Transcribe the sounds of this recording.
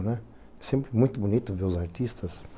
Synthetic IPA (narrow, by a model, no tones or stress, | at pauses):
nɛ | ɛsẽmpɾɪmũj̃t̪ʊbunit̪uveʊzaɾt̪iʃt̪ɐs